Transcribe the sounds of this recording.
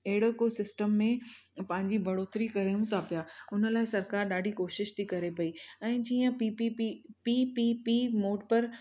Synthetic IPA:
ɐɦɪɽokosɪsʈəmːẽpɐ̃ɦɪ̃ɲd͡ʑibʱɐɽoːt̪ɾikɐɾeũt̪ʰapijaːʊnə̆laːɪsɐɾkaːɾɗaːɖʱikoːʃɪʃt̪ʰikɐɾepɐiɛ̃ːd͡ʑiːə̃pipipipipipimoːɖpɐɾ

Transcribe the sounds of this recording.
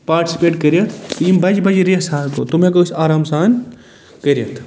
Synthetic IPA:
paːɾʈisi̥peːʈkəɾjɐt̪ʰimbɐd͡ʒbɐd͡ʒɾijɐsaːnkoːt̪umẽk̬osaːɾaːmsaːn | kəɾjɐt̪ʰ

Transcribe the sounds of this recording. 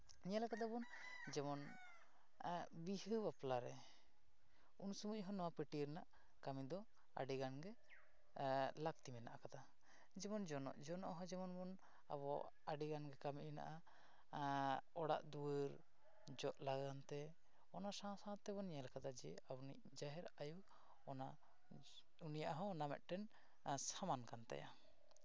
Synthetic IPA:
ɲalakad̪abɔn | d͡ʒɛmɔn | bihəbaplaɾɛ | unsumuʔɦɔnɔwapəʈiɾnaʔ | kamid̪ɔ | a̰ɖiɡanɡɛ | lak̚t̪imɛna̰ʔakad̪a | d͡ʒɛmɔnd͡ʒɔnɔ̰ʔd͡ʒɔnɔʔɦɔd͡ʒɛmɔnbɔn | aβɔ | aɖiɡanɡɛkamiʔna̰ʔa | ɔɽa̰ʔd̪uəɾ | d͡ʒɔʔlaɡant̪ɛ | ɔnasãsãt̪ɛbɔnɲɛlkad̪ad͡ʒɛabni | d͡ʒaɦɛɾaju | ɔna | unijaʔɦɔ̃namɛ̰ʔ̪̚ʈɛn | samankant̪a̰ja̰

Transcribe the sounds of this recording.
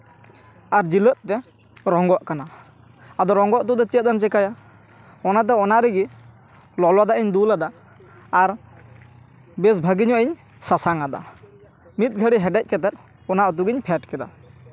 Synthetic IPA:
aɾd͡ʒilət̪̚t̪ɛ | ɾɔŋɡɔʔkanaː | d̪ɔɾɔŋɡɔʔt̪ud̪ɔt͡ʃɛt̪̚d̪amt͡ʃɛkaja | ɔnat̪̬ɛɔnaɾɛɡi | lɔlwad̪aʔɛɲd̪ulad̪aː | ɾ | bɛs̬bʱəɡiɲɔʔɛɲ | sasaŋad̪a̰ | mit̪̚ɡʱəɽiɦɛɖɛc̚ˀkɛt̪ɛt̪̚ | ɔnaʔɔt̪̬uɡiɲpʰɛʈkɛd̪a̰

